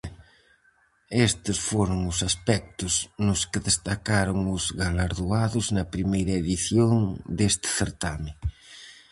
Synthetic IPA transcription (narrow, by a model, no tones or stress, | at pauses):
est̪ɪsfoɾʊŋʊsaspɛk̚t̪ʊznʊskɪðest̪akaɾʊŋʊzɣalaɾðuaðʊznɐpɾimejɾɐeðiθjoŋd̪est̪ɪ̥θeɾt̪amɪ